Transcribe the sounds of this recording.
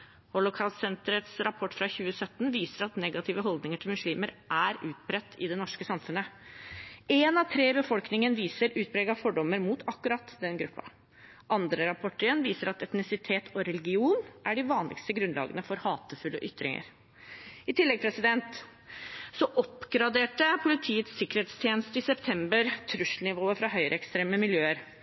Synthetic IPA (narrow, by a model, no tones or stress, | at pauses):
hɔlʊkʰɑlsɛnt̪əɾət̪sɾɑpʰɔʈːfɾɑçʉːəsœt̪ːnʋiːsəɾɑt̪nɛɡɑt̪ʰɪːʋəɦɔld̪nɪŋəʈʰɪlmʉʂliːməɾʔæɾʉːt̪̚pʰɾɛt̪ːɪd̪ɛnɔʂkəsɑmfʉnːə | ɛnɑt̪ʰɾeːbəfɔlknɪŋənʋiːsəɾʉːt̪̚bɾɛːɡɑfɔɖɔmːəɾmuːt̪ʰɑkːʉɾɑt̪ːd̪ɛnɡɾʉpːɑ̰ | ʔɑnd̪ɾəɾɑpʰɔʈəɾənʋiːsəɾɑt̪ɛt̪nɪsɪt̪ʰeːt̪ʰɔɾɛlɪɡɪuːnʔæɖɪʋɑːnlʔɪ̰kst̪əɡɾʉnlɑ̰ːɡənəfɔɾhɑːt̪əfʉlːəʔʏt̪ːɾɪ̰ŋə̰ɾ | ɪt̪ʰɪlːɛɡ̚pʰɾɛsɪd̪ɛnt̪ | sɔʔɔpːɡɾɑd̪eːʈəpʰʊlɪt̪ʰiːət̪sːɪkːəɾheːt̪st̪ʰjeːnəst̪əɪsɛpt̪ʰɛmbəɾt̪ʰɾʉʂlnɪʋoːəfɾɑɦœʏɾʔəɛkst̪ɾeːməmɪljøːəɾ